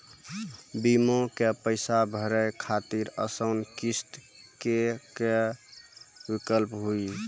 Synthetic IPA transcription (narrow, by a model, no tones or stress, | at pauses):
bimokepəɪsabʱəɾəjkʰat̪iɾə̰səʊnkist̪ | keke | bikəlpɦui